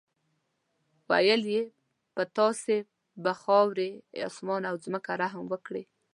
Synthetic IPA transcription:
wa̰jəlje | pət̪ɑse | baxɑwɾeɑ̰smɑnawzməkaɾaɦmwəkɽe

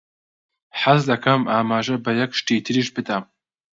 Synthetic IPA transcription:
ħazdɐkʰamaːmaːʒɐbɐjɐkʷʂtʰejtʰɨɾiʒbɨtʼaːm

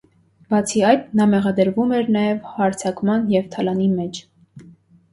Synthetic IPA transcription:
bɑt͡sʰiɑjd̪nɑmɛʁɑd̪əɾvumɛɾnɑjɛvhɑɾt͡sʰɑkmɑnjɛvt̪ʰɑlɑnimɛt͡ʃʰ

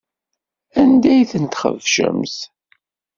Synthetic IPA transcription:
ænd̪æjθənt̪χə̰vʃə̰mθ

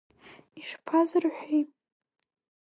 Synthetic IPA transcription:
iʂpʰazɨrħʷᶣejpʼ

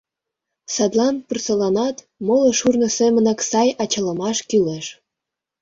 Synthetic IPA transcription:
sɑd̪lɑnpyrsɤlɑnɑt̪ | molŏʃurnɤ̆semə̆nɑksɑjɑt͡ɕɑlə̆mɑʃkyleʃ

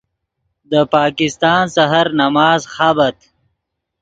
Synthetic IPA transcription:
d̪əpɑːkɪst̪ɑːnsaɦaɾnamɑːzxabat̪

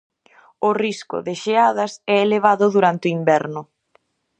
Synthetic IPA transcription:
ʊriskʊ̰ðɪʃeaðɐsɛeleβ̞aðʊðuɾant̪ɪoimbɛɾnʊ

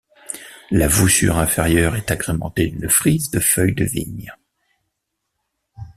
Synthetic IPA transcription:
lavusy̰ʁɛ̃feʁjœʁɛt̪aɡʁemɑ̰̃t̪ed̪ynfχizd̪əfœjd̪ə̰vḭɲ

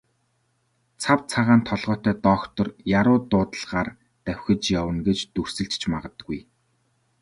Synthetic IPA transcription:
t͡sʰawt͡sʰaʁaːnt̪ʰɔɮʁœːt̪œːt̪ɔːkt̪ɞ̆rjaɾʊːt̪ʊːt̪ə̆ɮʁ̥aːr | t̪æwʲxʲɘ̆t͡ɕjawə̆nɡet͡ɕt̪ɵrsɘ̆ɬt͡ɕt͡ɕʰmaʁə̆t̪əɡuj

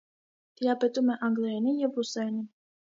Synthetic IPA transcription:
d̪̥ijɑpɛt̪umɛʔɑŋɡlɛɛnijɛvusɛni

